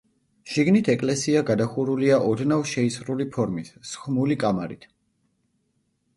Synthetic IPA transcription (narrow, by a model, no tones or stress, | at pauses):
ʃiɡnit̪ʰɛkʼlɛsiaɡad̪aχuɾuliaʔɔd̪navʃɛisɾulipʰɔɾmissχmulikʼamaɾḭt̪ʰ